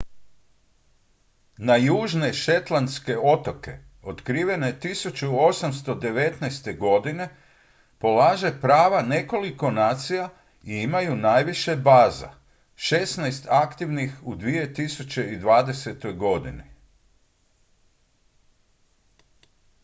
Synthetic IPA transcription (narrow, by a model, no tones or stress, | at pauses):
najuːʒne̞ʃe̞t̪lˠanske̞o̞t̪o̞ke̞ot̪kɾiːʋe̞ne̞t̪isut͡ʃuo̞samst̪o̞d̪e̞ʋe̞t̪nɛjst̪e̞ɡo̞d̪ine̞ | po̞laːʒe̞pɾaːʋane̞ko̞liko̞naːt̪sija | iimajunaːjʋiʃebaːza̰ | ʃe̞snajst̪akt̪iʋnixud̪ʋije̞t̪isut͡ɕe̞id̪ʋaːd̪e̞se̞t̪o̞jɡo̞d̪ini